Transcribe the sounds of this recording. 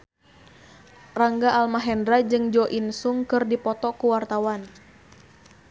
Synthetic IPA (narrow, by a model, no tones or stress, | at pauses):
raŋɡaʔalmaɦɛndɾad͡ʒɨŋd͡ʒɔʔinsuŋkɨrdipɔt̪ɔkuwart̪awan